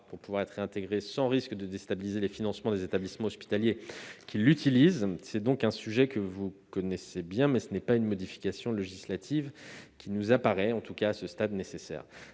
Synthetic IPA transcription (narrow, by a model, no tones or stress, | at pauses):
puʁpuvwaʁɛt̪χɛ̃t̪eɡʁesɑ̃ʁiskd̪əd̪est̪abilizelefinɑ̃smɑ̃d̪ezet̪ablismɑ̃ɔspi̥t̪aljekʲʰilːyt̪ʰilizsɛd̪ɔ̃kɛ̃syʒɛkəvukɔnɛsebjɛ̃mɛsənɛpaynmɔd̪ifi̥kasjɔ̃leʒislat̪ʰivkʲinuzapaʁɛɑ̃t̪ukaːsəst̪ad̪nesesɛ̰ːʁ